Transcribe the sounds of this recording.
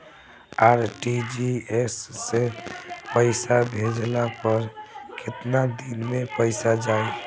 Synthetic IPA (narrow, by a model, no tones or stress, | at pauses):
aɾʈid͡ʒiesːepəɪsabʱed͡ʒlapəɾkɪt̪nad̪inmepəɪsad͡ʒaj